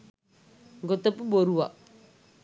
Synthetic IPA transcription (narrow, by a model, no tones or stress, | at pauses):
ɡɔt̪əpuboɾuwa